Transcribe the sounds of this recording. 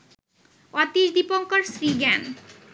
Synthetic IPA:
ɔt̪iʃd̪ipoŋkoɾsɾiɡɛn

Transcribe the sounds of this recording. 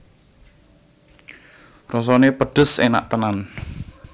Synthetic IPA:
rɔs̬ɔnepəɖ̥ə̤sena̰ʔt̪ənan

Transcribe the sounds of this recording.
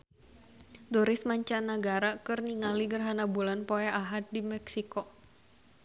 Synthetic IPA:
duɾɪsmaɲt͡ʃanəɡaɾakɨrniŋaliɡərɦanabulanpoɛʔaɦat̪̚dimɛksikɔ

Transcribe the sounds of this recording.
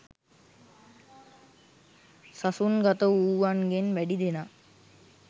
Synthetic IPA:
sasunɡat̪əuːʋanɡenʋæɖid̪ena

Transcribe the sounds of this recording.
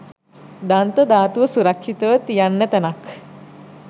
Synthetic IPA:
d̪ant̪əd̪aːt̪uʋəsuɾakʃit̪əʋət̪ijanːət̪ɐnak

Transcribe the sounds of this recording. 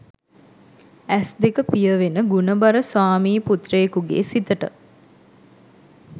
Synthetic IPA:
æsd̪ekəpijəʋenəɡunəbaɾəsʋaːmiːput̪rejkuɡḛːsit̪əʈə̰

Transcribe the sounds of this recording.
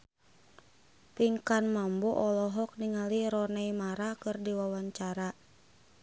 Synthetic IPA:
piŋkanmambɔʔɔlɔɦɔk̚niŋaliɾɔnaimaɾakɨrdiwawaɲt͡ʃaɾa

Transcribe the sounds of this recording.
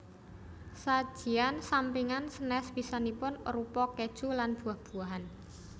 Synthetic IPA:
sad̥ʒ̥i̤ansampiŋansənɛspisanipʊnɾupɔked̥ʒ̥ulanb̥ṳahb̥uaɦan

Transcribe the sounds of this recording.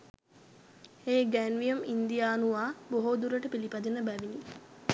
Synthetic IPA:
eːɡænʋijumind̪ijaːnuʋaːboɦod̪uɾəʈəpilipad̪inəbæʋini

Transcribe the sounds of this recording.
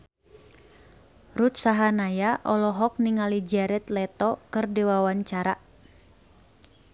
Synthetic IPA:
rut̪̚saɦanajaʔɔlɔɦɔk̚niŋalid͡ʒɛɾɛt̪lɛt̪ɔkɨrdiwawaɲt͡ʃaɾa

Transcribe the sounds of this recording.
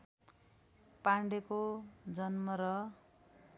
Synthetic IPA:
paɳɖekod͡zʌnmʌɾʌ

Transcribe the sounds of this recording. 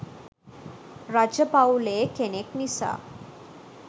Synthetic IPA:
ɾad͡ʒəbawuleːkeneknisa̰ː

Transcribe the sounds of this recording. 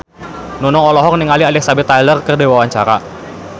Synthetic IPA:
nɔnɔŋɔlɔɦɔk̚niŋalialɪhsabɪt̪ajlərkərdewawaɲt͡ʃaɾa̰

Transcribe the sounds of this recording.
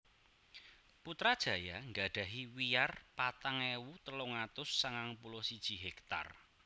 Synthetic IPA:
put̪ɾad̥ʒ̥ä̤jaŋɡa̤ɖ̥ä̤ɦiwijarpat̪aŋewut̪əloŋat̪ʊsːaŋaŋpulɔsid̥ʒ̥i̤ɦɛkt̪a̰r

